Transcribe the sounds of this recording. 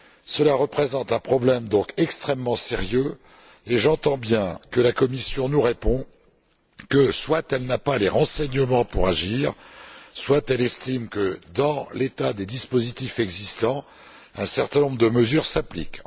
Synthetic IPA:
səlaʁəpχezɑ̃t̪ɛ̃pχɔblɛmd̪ɔ̃kɛkst̪χɛmːɑ̃seʁjø | eʒɑ̃t̪ɑ̃bjɛ̃kəlakɔmisjɔ̃nuʁepɔ̃ | kəswat̪ɛlnapaleʁɑ̃sɛɲəmɑ̃puʁaʒiːʁswat̪ɛlɛst̪imkəd̪ɑ̃let̪ad̪ed̪ispozit̪ifɛɡzist̪ɑ̃ | ɛ̃sɛʁt̪ɛ̃nɔ̃bʁəd̪əməzyʁsaplḭk

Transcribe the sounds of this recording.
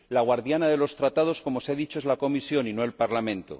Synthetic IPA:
laɣwaɾðjanaðe̞lo̞st̪ɾat̪að̞o̞sko̞mo̞seaðit͡ʃoezlako̞misjo̞ninoelpaɾlamẽ̞nt̪o̰

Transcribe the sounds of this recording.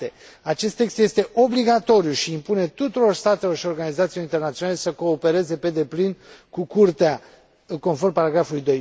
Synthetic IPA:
t̪e | at͡ʃe̞st̪ːekst̪je̞st̪e̞ʔo̞bliɡat̪o̞ɾijuʃiːmpune̞t̪ut̪uɾo̞rst̪at̪e̞lo̞rʃio̞rɡanizat̪silo̞ɾint̪ernat̪sionale̞səko̞ːpe̞ɾe̞ze̞pe̞d̪e̞plinkukurt̪ea | ko̞nformpaɾaɡɾafulujd̪o̞j

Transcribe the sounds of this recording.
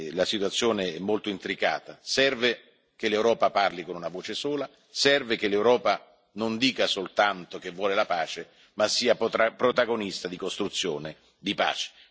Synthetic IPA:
lasit̪wat̪sːjoːneɛmːolt̪oint̪ɾika̰ːt̪asɛrve | kelewɾɔːpaparlikonunavoːt͡ʃesuːla | sɛrvekelewɾɔːpa | nond̪iːkasolt̪ant̪ok̟evːwɔːlelapaːt͡ʃe | masːiːapɾot̪aɡonist̪ad̪ikost̪ɾut̪sːjo̰ːne | d̪ipa̰ːt͡ʃe̥

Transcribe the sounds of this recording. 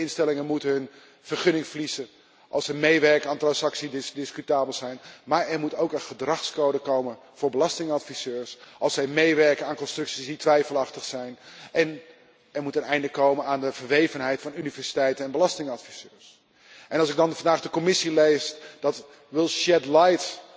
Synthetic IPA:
ɪnstɛlɪŋənmutəɦɵn | v̥əɹχɵnɪŋflizə | ʔɑlˠsɛjmejʋɛɹkənaːntrɑnsɑksidɪsdɪskytaːbəlˠzɛjnmaːɹɛɹmutowkənχədrɑχskowdəkowmə | v̥ʊːɹbəlɑstɪŋɑtfisøːɹsʔɑlˠsɛjmejʋɛɹkənaːnkɔnstrɵksisditʋɛjfəlˠɑχtəχsɛjnɛn | ɛɹmutənɛjndəkowmənaːndəvəɹʋejvənɦɛjtfɑnynivɛɹsitɛjtənɛnbəlɑstɪŋɑtfisøːɹs | ʔɛnɑlˠsɪɡ̚dɑnfɑndaːχdəkomɪsilejsd̥ɑt | ʋɪlˠʃɛdlajt

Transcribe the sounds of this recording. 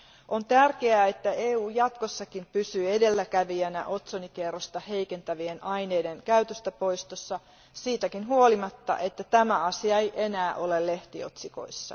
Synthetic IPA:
ʔont̪ærkeæːet̪ːæeːuːjɑt̪kosːɑkimpysyːedelːækæʋiænæ̰ʔo̞t̪sonikerːost̪ɑhe̞jke̞nt̪æʋie̞nɑjne̞ːdeŋkæyt̪øst̪æpo̞ist̪osːɑ | siːt̪ækinɦuolimɑt̪ːɑ̰ʔe̞t̪ːæt̪æmæɑsiɑejʔenæːʔo̞lelle̞ht̪io̞̰t̪siko̰isːɑ̰

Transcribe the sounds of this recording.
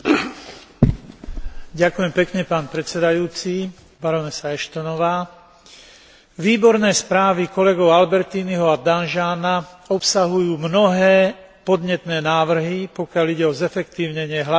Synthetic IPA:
ɟakujɛmpɛkɲɛpaːnpɾɛt͡sɛd̪ajuːt͡si | baɾɔnɛsaɛʃt̪ɔnɔʋaː | ʋiːbɔɾnɛːspɾaːʋikɔlɛɡɔʊalbɛɾt̪iːniɦɔad̪anʒaːnaɔpsaɦujuːmnɔɦɛːpɔd̪ɲɛt̪nɛːnaːʋr̩ɦipɔkjaliɟɛɔzɛfɛkt̪iːʊɲɛɲɪɛɦla

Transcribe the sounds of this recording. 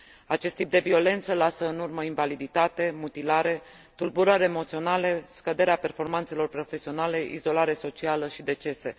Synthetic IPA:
at͡ʃest̪ːip̚d̪e̞vio̞le̞nt̪səlasəɨnurməinvalid̪it̪at̪e̞mut̪ilaɾe̞ | t̪ulbuɾəɾeemo̞t̪sio̞nale̞skəd̪e̞ɾeape̞rfo̞rmant̪se̞lo̞rpɾo̞fe̞sio̞nale̞ʔizo̞laɾe̞so̞t͡ʃialəʃid̪e̞t͡ʃe̞se̞

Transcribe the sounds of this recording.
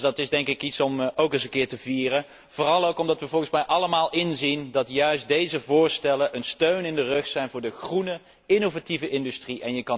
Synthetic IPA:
dɑtɪzdɛŋkɪkitsɔmowkənsənkɪːɹtəviːrən | v̥ʊːrɑlˠowkɔmdɑtʋəvɔlˠxənsmɛjʔɑləmaːlˠɪnzindɑtjœɥstdejzəvʊːɹstɛlənʔənstøɥnɪndərɵχsɛjnvʊːɹdəχrunə | ɪnovativəʔɪndystriʔɛnjəkɑ

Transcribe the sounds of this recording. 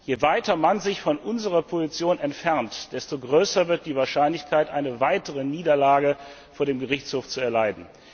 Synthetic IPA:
jeːvaɪtɐmanzɪçfɔnʔʊnzəʁɐpʰozit͡sjoːnɛntfɛɐntd̥ɛstoɡʁøːsɐvɪɐt̚d̥iːvaːɐʃaɪnlɪçkʰaɪtʔaɪnəvaɪtəʁəniːdɐlaːɡə | foːɐɾeːmɡəʁɪçt͡shoːft͡suɛɐlaɪdn̩

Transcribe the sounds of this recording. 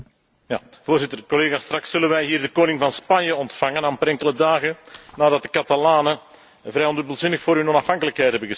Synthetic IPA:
ja̰ː | voːrzɪtərkɔleːɣaːst̪rɑksɵlənʋɛjɦiːrdəkoːnɪŋvɑnspɑnjəɔntfɑŋənaːmpɛɾɛŋkələdaːɣənaːdɑt̚dəkɑtalaːnə | vrɛjɔndɵbəlˠzɪnəxfoːɾɦɵnɔnɑfɑŋkələkɦɛjtɦɛbənɣə

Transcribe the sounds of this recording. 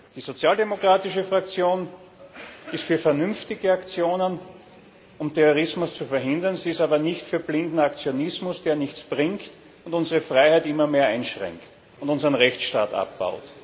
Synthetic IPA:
d̥iːzot͡sjaːldemokʁ̥aːtɪʃəfʁakt͡sjoːn | ɪstfyːɐfɛɐnʏnftɪɡəakt͡sjoːnən | ʊmtʰɛʁoʁ̞ɪsmʊst͡sufɛɐɦɪndɐnziːɪstaːbɐnɪçtfyːɐblɪndn̩akt͡sjonɪsmʊsd̥eːɐnɪçt͡sb̥ʁɪŋkt | ʊntʊnzəʁəfʁ̥aɪhæɪtɪmɐmeːɐæɪnʃʁɛ̰ŋkt | ʊntʊnzəʁənʁɛçt͡sʃta̰ːta̰pb̥a̰ʊt

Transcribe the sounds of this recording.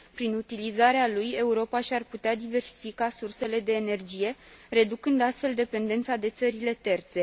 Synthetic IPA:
pɾinut̪ilizaɾealuje̞uɾo̞paʃʲarput̪ead̪ive̞rsi̥fikasurse̞le̞d̪e̞ːne̞rd͡ʒije̞re̞d̪ukɨnd̪ast̪fe̞ld̪e̞pe̞nd̪e̞nt̪sad̪e̞t̪səɾile̞t̪e̞rt̪se̞

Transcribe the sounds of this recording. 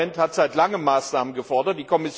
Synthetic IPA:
ɛnthatz̥aɪtlaŋəmːaːsnaːmənɡəfɔɐdɐt̚d̥iːkʰɔmɪs

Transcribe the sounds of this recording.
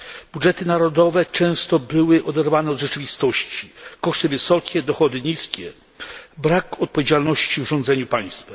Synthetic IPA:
budʐɛt̪ɘnaɾɔd̪ɔvɛt͡ʂɛ̃w̃st̪ɔbɘwɘʔɔd̪ɛɾvanɛɔd̪ʐɛt͡ʂɘvʲist̪ɔɕt͡ɕikɔʂt̪ɘvɘsɔkʲɛd̪ɔxɔd̪ɘɲiskʲɛ | bɾakɔt̪̚pɔvʲjed͡ʑalnɔɕt͡ɕivʐɔ̃nd̪zɛɲupaj̃st̪f

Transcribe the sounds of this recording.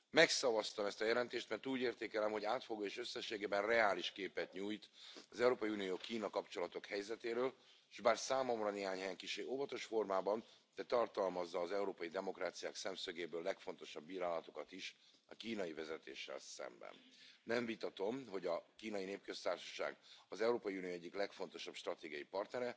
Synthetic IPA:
mɛksɒvɒst̪ɒmɛst̪ɒjɛlɛnt̪eːʃt̪mɛrt̪uːɟeːrt̪eːkɛlɛmɦo̞ɟaːt̪fo̞ɡoːeːʃø̞sːɛʃːeːɡeːbɛnrɛaːliʃkeːpɛt̪ɲuːjt̪ɒzɛuɾoːpɒjiuːnijoːkiːnɒkɒpt͡ʃo̞lɒt̪o̞khɛjzɛt̪eːɾøːl | ʃbaːrsaːmo̞mrɒneːɦaːɲhɛjɛŋkiʃeːʔovɒt̪o̞ʃfo̞rmaːbɒn | d̪̥ɛt̪ɒrt̪ɒlmɒzːɒːzɛuɾoːpɒjid̪ɛmo̞kraːt̪sijaːksɛmsøɡeːbøːlːɛkfo̞nt̪o̞ʃɒbːiːɾaːlɒt̪o̞kɒt̪iʃ | ɒkiːnɒjivɛzɛt̪ḛːʃːɛ̰lsɛ̰mbɛ̰nːɛɱvit̪ɒt̪o̞mɦo̞ɟɒkiːnɒjineːpkø̞st̪aːrʃɒ̥ʃa̰ːɡɒzɛuɾoːpɒjiuːnijoːɛɟːiklɛkfo̞nt̪o̞ʃɒbʃt̪rɒt̪eːɡijɒjipɒrt̪nɛɾɛ

